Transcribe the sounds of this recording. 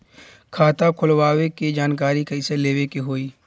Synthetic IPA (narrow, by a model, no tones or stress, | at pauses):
kʰaːt̪akʰʊlwaːweked͡ʒaːnk̬aːɾikɐɪseleːʋekeɦoːiː